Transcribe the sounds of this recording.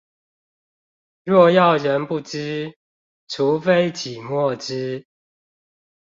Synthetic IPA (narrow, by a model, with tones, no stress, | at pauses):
ɻɔ˥˧jɑ˥˨ʊɻə˧˦npu˥˨t͡ɕ̩˥ | ʈ͡ʂʰu˨˦fe˥ɪt͡ɕʰi˨˩mwɔ˥˨ʈ͡ʂ̩˥